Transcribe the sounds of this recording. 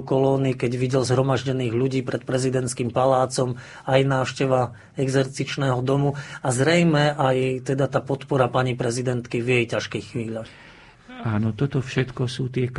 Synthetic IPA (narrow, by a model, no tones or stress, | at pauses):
kɔlɔːnikɛɟʋiɟɛlzɦɾɔmaʒɟɛniːɣʎuɟiːpɾɛt̪pɾɛzid̪ɛnt̪skiːmpalaːt͡sɔm | ajnaːʊʃcɛʋa | ɛɡzɛɾt͡sit͡ʃnɛːɦɔd̪ɔmuazɾɛjmɛʔajt̪ɛd̪at̪aːpɔt̪pɔɾapaɲipɾɛzid̪ɛnt̪kivjɛjcaʃkɛxxʋiːʎax | aːnɔt̪ɔt̪ɔfʃɛt̪kɔsuːt̪ɪɛk